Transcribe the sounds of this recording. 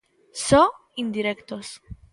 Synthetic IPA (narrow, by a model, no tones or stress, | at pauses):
so | ind̪iɾekt̪os